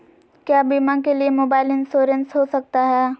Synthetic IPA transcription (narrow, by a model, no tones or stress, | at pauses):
kjaːbimãk̬eliemoːbaːɪlɪnsoːɾə̃nsɦosɐk̚t̪aɦɛː